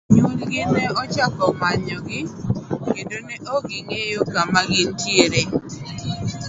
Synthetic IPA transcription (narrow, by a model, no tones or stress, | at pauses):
ɲolɡɪneɔt͡ʃakɔmaɲɔɡɪkendonɛʔoɡɪŋejokamaɡɪntjeɾe